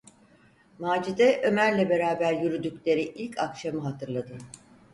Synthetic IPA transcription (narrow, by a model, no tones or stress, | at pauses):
maːd͡ʒid̪ɛʔø̞mæɾlʲɛbe̞ɾaːbæɾjyɾyd̪ycʲlʲe̞ɾiʔilʲcʰakʃamɯɦat̪ʰɯɾlˠad̪ɯ